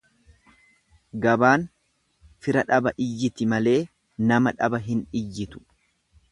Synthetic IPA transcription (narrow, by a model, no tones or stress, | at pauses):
ɡɐbaːn | fɪɾɐᶑɐbɐʔɪjːɪt̪ɪmɐle̞ː | nɐmɐᶑɐbɐɦɪnɪjːɪt̪ʊ̥